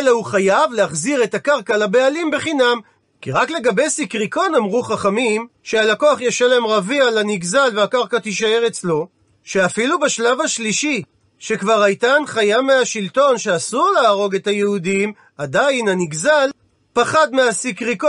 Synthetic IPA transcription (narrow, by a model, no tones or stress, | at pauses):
leuχajavle̞aχziʁe̞takaʁkalabe̞alimbe̞χinam | kiʁakle̞ɡabe̞jsikʁiko̞namʁuχaχamimʃealakoaχjaʃaleemʁavialaniɡzalveakaʁkat̪iʃae̞ʁet͡slo̞ | ʃe̞afilubeʃlavaʃliʃi | ʃe̞kvaʁajtanχajameaʃilto̞nʃeasuʁleːʁo̞ɡe̞tajeudim | adajnaniɡzal | paχad̪measikʁiko